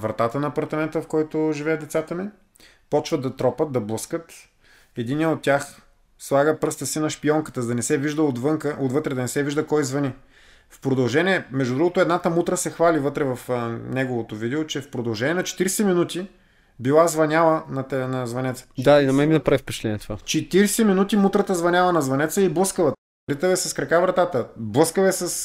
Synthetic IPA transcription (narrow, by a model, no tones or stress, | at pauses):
vɾɐt̪at̪ənɐːpɐɾt̪ɐmɛnt̪əfkɔjt̪ʊʒivɛɐd̪ɛt̪sat̪əmi | pɔt͡ʃvəd̪ɐt̪ɾɔpət̪̚d̪ɐblˠɤskət̪ | ɛd̪iniəot̪̚ʲːjax | slˠaɡəpɾɤst̪əsinɐʃpiɔŋkə̥t̪əzd̪ɐnɛsɛviʒd̪əod̪vəŋkəʔot̪vət̪ɾɛd̪ɐnɛsɛviʒd̪əkɔjzvɐni | fpɾod̪ɐlˠʒɛnʲiɛmɛʒd̪ud̪ɾuɡot̪oɛd̪nat̪əmut̪ɾəsɛxvalivɤt̪ɾɛvɐfnɛɡovot̪ovid̪iot͡ʃɛfpɾod̪ɐlˠʒɛnʲiɛnɐt͡ʃɛ̥t̪iɾsɛminut̪i | bilˠazvɐnʲalˠənɐt̪ɛnɐzvɐnɛt̪sə̥d̪ainɐmɛminɐpɾavifpɛ̥t͡ʃɛt̪lɛnʲiɛt̪ovat͡ʃɛt̪iɾsɛminut̪imut̪ɾət̪əzvɐnʲjalˠənɐzvɐnɛt̪səiblˠəskəlɐ | ɾit̪əvɛsɐskɾɐkavɾɐt̪at̪əblˠɤskəvɛsəs